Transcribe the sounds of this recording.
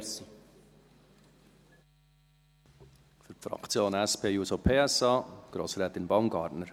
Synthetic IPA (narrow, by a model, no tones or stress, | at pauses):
si | fyɾpfɾɑ̰kt͡sjoːnæspʰeːjuːsopʰeːɛsɑːɡ̥ɾo̰ːsɾɛːt̪ɪnbaʊmɡɑːɾtnəɾ